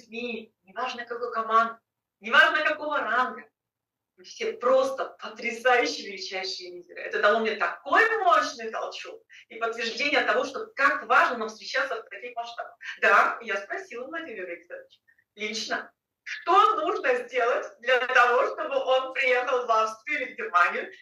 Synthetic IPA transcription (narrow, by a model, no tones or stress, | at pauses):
zʲmʲinʲɪvaʐnəkɐko̞jkɐmand̪ɨ | nʲɪvaʐnəkɐko̞vəranɡə | mɨfsʲepɾo̞st̪əpət̪ɾʲɪsajʉɕːɪvʲɪlʲɪt͡ɕæjʉɕːɪjəvʲizʲɪɾɨ̰ɛ̰t̪əd̪alˠomʲnʲɪt̪ɐko̞jmot͡ɕnɨjk̪ɐ̰lˠt͡ɕok̚ipət̪ːvʲɪrʐdʲenʲɪjət̪ɐvo̞ʂt̪o̞bkakvaʐnəmafst̪ɾʲɪt͡ɕat̪səft̪ɐkʲixmɐʂt̪abəxd̪ajaspɾɐsʲilˠəmɐtʲɪɾʲɪɾəsat̪t͡ɕ | lʲit͡ɕnə | ʂt̪o̞nuʐnəzʲdʲe̞lˠətʲd̪lʲət̪ɐvo̞ʂt̪o̞bɨʔo̞npɾʲɪje̞xəlˠvafst̪vʲɪʊvʲɪvʲdʲɪmanʲɪ